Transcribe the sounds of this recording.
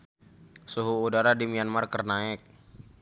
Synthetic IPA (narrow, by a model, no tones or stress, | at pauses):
suɦuːdaɾadimianmarkərnaɪk̚